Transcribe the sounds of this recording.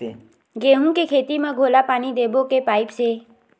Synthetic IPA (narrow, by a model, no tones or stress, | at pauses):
ɡeːɦũkekʰeːt̪imãɡʱoːlapaːnid̪eːbokepaːɪpse